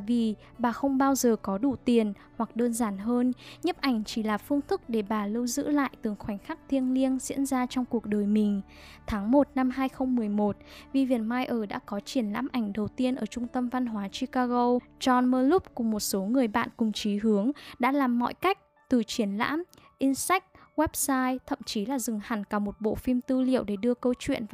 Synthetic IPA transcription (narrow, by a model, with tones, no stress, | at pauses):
vi˨˩ | ɓaː˨˩xə˧wŋ͡mɓaː˧wzəː˨˩kɔ˨˦ɗu˧˩˨t̪i˨˩ən | hwa˨˩k̚ɗəː˧nzaː˨˩nɦəː˧nɲə˦˥p̚ʔa˧˩jŋ̟t͡ɕi˧˩laː˨˩fɨ˧əŋt̪ʰɨ˦˥k̚ɗe˧˩ɓaː˨˩lə˧wzɨ̰˧˥la̰ː˧˨jt̪ɨ˨˩ŋxwa˨˩jŋ̟xa˦˥k̚t̪ʰi˧ənli˧ənzḭ˧˥ənzaː˧t͡ɕɔ˧wŋ͡mku˨˩ək̚ɗəː˨˩jmï˨˩ŋ̟ | t̪ʰaː˨˦ŋmo˨˩t̚na˧mɦaː˧jxə˧wŋ͡mmɨ˨˩əjmo˨˩t̚vi˨˧vḭ˧˩ənmaː˧jʔəː˧˩ɗa̰ː˧˥kɔ˨˦t͡ɕi˧˩ənla̰ː˧˥mʔa˧˩jŋ̟ɗə˨˩wt̪i˧ənʔəː˧˩t͡ɕʊ˧ŋ͡mt̪ə˧mva˧nɦwaː˨˦t͡ɕi˧kaː˧ɣo˧t͡ɕɔ˧nməː˧lʊ˦˥p̚kʊ˨˩ŋ͡mmo˨˩t̚so˨˦ŋɨ˨˩əjɓa̰ː˧˨nkʊ˨˩ŋ͡mt͡ɕi˨˦ɦɨ˨˦əŋɗa̰ː˧˥laː˨˩mːɔ̰˧˨jka˦˥jk̟̚ | t̪ɨ˨˩t͡ɕi˧˩ənla̰ː˧˥mʔi˧nsa˦˥k̚ɣwɛ˦˥p̚saː˧jt̪ʰə̰˧˨mt͡ɕi˨˦laː˨˩zɨ˨˩ŋha˨˩ŋkaː˧˩mo˨˩t̚ɓo̰˧˨fi˧mt̪ɨ˧lḭ˧˨əwɗe˧˩ɗɨ˧əkə˧wt͡ɕwḭ˧˨ənv